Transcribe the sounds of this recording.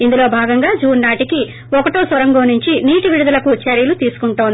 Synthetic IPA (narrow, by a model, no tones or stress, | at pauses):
ind̪ulo̞ːbʱaːɡɐŋɡaːd͡ʒuːnːaːʈiki | ɔkɐʈoːsɐɾɐŋɡoːnuɲt͡ʃiniːʈiʋiɽud̪ɐlɐkut͡ʃːɐːɾijɐlut̪iːsu̥kuɳʈoːnd̪